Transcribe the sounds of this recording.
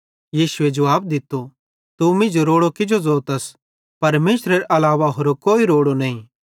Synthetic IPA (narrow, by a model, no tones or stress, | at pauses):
jiːsʊed͡ʒɐʋaːb̚d̪ɪt̪ːo | t̪umɪ̃nd͡ʒoɾoːɽokɪd͡ʒozoːt̪ɐs | pɐɾmeːsɾeɾʔɐlaːʋaɦoːɾokoːiɾoːɽonɐɦĩ